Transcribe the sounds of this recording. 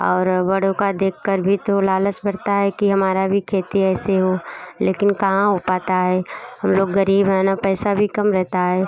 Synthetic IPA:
ɔːɾʋɐɽõkad̪eːkʰːəɾbʱit̪olaːləsbɐɽt̪aɦɛkiɦɐmaːɾabʱikʰeːt̪iɛːseɦoleːkɪnkɐɦãɦopaːt̪aɦɛːɦɐmloːɡːəɾiːbaːnapɛːsabʱikɐmɾɛɦt̪aɦɛː

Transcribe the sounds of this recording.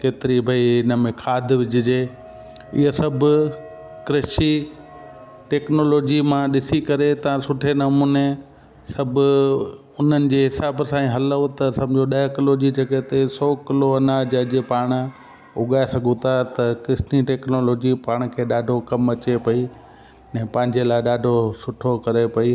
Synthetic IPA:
keːt̪ɪɾibʱɐiɪnəmẽkʰaːd̪ʱʋɪd͡ʑʱɪd͡ʑeː | ɪ̰ɦəsɐbʱʊ | kɾɐʃi | ʈeːknoːloːd͡ʑimãɗɪsikɐɾet̪ɐʋãsʊʈʰenɐmũːne | sɐbʱʊ | ʊn̤ənɪ̆d͡ʑeːɦɪsaːbsãːĩɦɐləot̪ɐsɐmd͡ʑʱoɗɐɦkɪloːd͡ʑid͡ʑɐɠɛɦt̪esɔːkɪloɐnad͡ʑɐɦd͡ʑepaːɽ̃ | ʊɠaːesɐɡʱũt̪ʰat̪ɐkɪsniʈeːknoːloːd͡ʑipaːɽ̃kʰeːɗaːɖʱokɐmɐt͡ɕepɐi | ɛ̃ːpɐ̃ɦɪ̃ɲd͡ʑelaːɪɗaːɖʱosʊʈʰokɐɾepɐi

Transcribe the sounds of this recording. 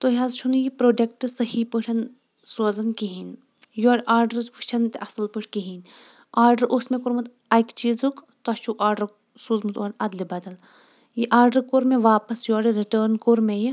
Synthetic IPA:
t̪oɦazt͡ʃʰunjipɾoːɖek̚ʈɨsɐhipɨʈʰɐn | soːzɐnkiɦin | joːɽʔaːɾɖɐɾfɨt͡ʃʰɐnt̪eʔɐsɐlpɨʈʰkiɦinʲ | aːɾɖɐɾʔusmẽkoɾmɐt̪ | ɐjkt͡ʃiːzuk | t̪ɐt͡ʃʰukaːɾɖɐɾ | suːzmɨt̪oːnɐd̪libɐd̪ɐl | jiʔaːɾɖɐɾkoːɾmẽʋaːpɐsjoːɾiɾiʈəːɾnkoːɾmeji

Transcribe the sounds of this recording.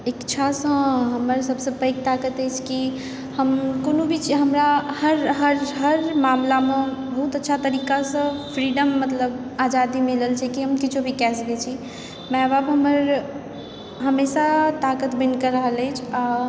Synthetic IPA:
ekt͡ʃʰasə̃ɦəməɾsəbsə̃pəjk̚t̪akət̪əjt͡ʃʰki | həmkonobʱit͡ʃɦəmɾahəɾɦəɾɦəɾmamlamebəɦut̪ətːʃʰat̪əɾikasə̃pʰɾiɖəmːət̪ləbad͡ʒad̪imiləlt͡ʃʰɛkiɦəmkit͡ʃʰobʱikɛsɡet͡ʃʰi | mɛbabɦəməɾ | ɦəmesat̪akət̪binkəɾəɦələjt͡ʃʰa

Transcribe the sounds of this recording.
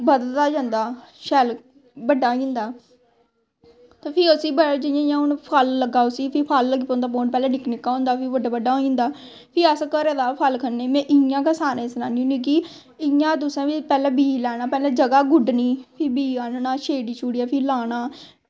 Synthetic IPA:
bəd̪əlt̪aːd͡ʒãːnd̪aːʃɛːl | bəɖaːɦoːĩnd̪aː | t̪aːpʰɪəsiːbəd͡ʒɪjãjãːʊnpʰəlːəɡaːʊsiːpʰɪːpʰalːɡiːpond̪aːpoːnpɛːlɛ̃ːnɪknɪkːaːɦõːnd̪aːpʰɪbəɖaːbəɖaːɦoĩnd̪aː | pʰɪːəskəɾɛːd̪aːpʰəlkʰənneːmɛ̃ːʔɪjãːkəsaːnẽːsnaːniũːnĩːk̬i | ɪjãːd̪ʊsãːpipɛːlɛ̃ːbiːlɛːɽ̃aːpɛːlɛ̃ːd͡ʒəɡaːɡʊɖniːpʰɪːbiːaːnnaːʃeːɖiːt͡ʃʰuːɽijaːpʰɪːlaːnaː

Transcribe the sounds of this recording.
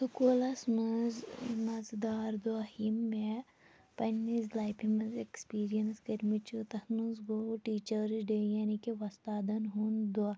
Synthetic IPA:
sukulɐsmɐzmɐzd̪aːɾd̪uahimːe | pɐnːizlajpʰimɐzekspiːɾijɐnsɡɐɾmit͡ʃut̪ɐhnuzɡoːʈiːt͡ʃəɾzɖejanikeʋɐst̪aːd̪ɐnɦund̪ua

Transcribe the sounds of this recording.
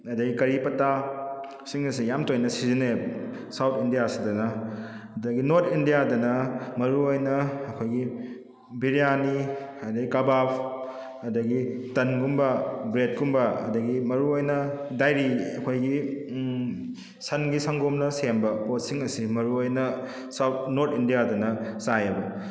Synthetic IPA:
ɐdɐɡikɐɾipɐta | siŋɐsijamtojnɐsizine | sawtʰindijasidɐnɐː | dɐɡinoɾtʰindijadɐnɐmɐɾuojnɐːkʰojɡi | biɾijaniɐdɐɡikabapʰ | ɐdɐɡitɐnɡumbɐbɾet̚kumbɐɐ̰dɐɡimɐɾuojnɐdajɾiɐkʰojɡi | sɐnɡisaŋɡomnɐsembɐpot̚siŋɐsimɐɾuojnɐ | sawtnoɾtʰindijadɐnɐsajɐbɐ

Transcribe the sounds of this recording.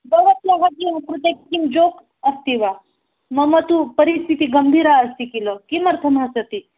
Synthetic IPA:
bɐʋɐt̪jaɦat̪iɐkɾut̪ekkimd͡ʒok | ɐst̪iʋa | mɐmɐt̪upɐɾist̪ʰit̪iɡɐmbʱiːɾaɐst̪ikilɔkimɐɾt̪ʰɐmasɐt̪i

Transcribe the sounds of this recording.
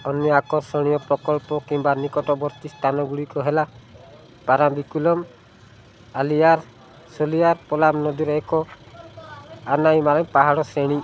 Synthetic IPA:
ɔnjɔakɔɾsɔɽ̃ijɔpɾɔkɔlpɔkimbanikɔʈɔbɔɾt̪ist̪ʰanɔɡuɽikɔɦela | paɾambikulɔm | alijaɾ | solijaɾpɔlamnɔd̪iɾɔekɔ | anajmalɔŋpaɦaɽɔseɽ̃i

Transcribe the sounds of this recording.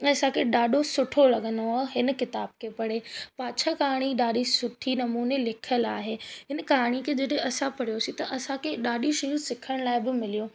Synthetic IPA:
ɛ̃ːɐsãkʰeɗaːɗʱosʊʈʰolɐɠə̃nd̪oɦɪnkɪt̪aːb̚kʰepɐɽepaːt͡ɕʰakaːɽ̃iɗaːɗisʊʈʰinɐmuːnelɪkʰəlaːɦeːɦɪnkaːɽ̃ikʰed͡ʑɐɗẽɐsãpɐɽijosĩt̪ɐʔɐsãkʰeɗaːɗiʃɐjũsɪkʰəɽ̃laːɪbɪmɪlijoː

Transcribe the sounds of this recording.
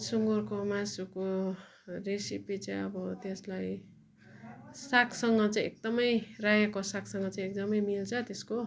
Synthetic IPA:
suŋɡorkomasuko | resipit͡sãʌbʌt̪eslaj | sakʰsʌŋɡʌt͡saĩek̚d̪ʌmʌjrajekosaksʌŋɡʌt͡saĩek̚d̪ʌmʌjmilt͡sʰʌt̪esko

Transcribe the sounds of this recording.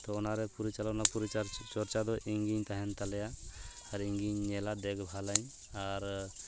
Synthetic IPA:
t̪ɔɔnaɾɛpuɾit͡ʃalanapuɾit͡ʃaɾt͡ʃɔɾt͡ʃad̪ɔʔiŋɡiɲt̪aɦɛnt̪alɛjaː | ɾiŋɡiɲːɛlad̪ɛɡbʱalaɲ | aɾ

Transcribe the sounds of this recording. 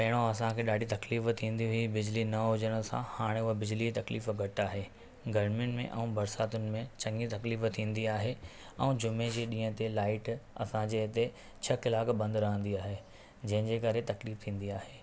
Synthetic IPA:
pɐɦɪɽ̃oɐsãkʰeːɗaːɖʱit̪ɐkliːft̪ʰĩːnd̪iɦʊibɪd͡ʑlinɐɦʊd͡ʑəɽ̃ʊ̆sã̰haːɽ̃eʊɦəbɪd͡ʑlit̪ɐkliːfɡʱɐʈaːɦeː | ɡɐɾmiʊnɪ̆mḛ̃ʔɛ̰̃ũːbɐɾsaːt̪ʊnɪ̆mẽt͡ɕɐ̃ŋɡit̪ɐkliːft̪ʰĩːn̆d̪iaːɦe | ɛ̃ːd͡ʑʊmed͡ʑeːɗĩːɦə̃t̪elaːɪʈɐ̰sãd͡ʑeːɪt̪e | t͡ɕʰɐkɪlaːkbɐ̃nd̪ɾɐɦə̃n̆d̪iaːɦe | d͡ʑɐ̃ɦɪ̃d͡ʑeːkɐɾet̪ɐkliːft̪ʰĩːn̆d̪iaːɦeː

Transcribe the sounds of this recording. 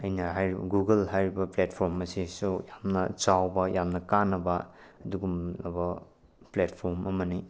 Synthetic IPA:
ɐjnɐɦajɾib̰ɡuɡɐlɦajɾibɐpletpʰɔɾmɐsisojamnɐt͡ʃawbɐjamnɐkanːɐbɐɐduɡumɐbɐ | plet̚pʰoɾmɐmɐni

